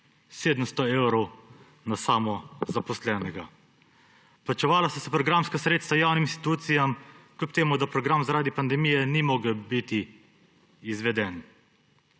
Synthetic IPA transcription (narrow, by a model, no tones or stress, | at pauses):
seːd̪əmst̪ɔewɾɔw | nasaːmɔzapɔslɛːnɛɡa | plat͡ʃɛʋaːlasasɔpɾɔɡɾamskasɾeːt̪st̪ʋajaːwniminst̪i̥t̪uːt̪sijamklʲup̚t̪eːmud̪apɾɔɡɾamzaɾaːd̪ipand̪ɛmijɛnimɔːɡəwbit̪iː | zʋɛd̪ɛn